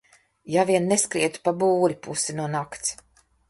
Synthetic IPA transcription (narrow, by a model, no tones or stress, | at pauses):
javiɛnːeskɾiɛt̪u̥pabuːɾipusinuɔnakt̪s